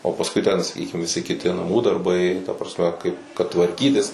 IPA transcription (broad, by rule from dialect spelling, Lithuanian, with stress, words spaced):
oː pɐsˈkʊɪ tʲɛn sɐˈkʲiːkʲɪm ʋʲɪˈsʲɪ kʲɪˈtʲɪ nɐˈmuː dɐrˈbɐɪ tɐ prɐsʲˈmʲɛ kɐɪp kɐt tʋɐrʲˈkʲiːtʲɪs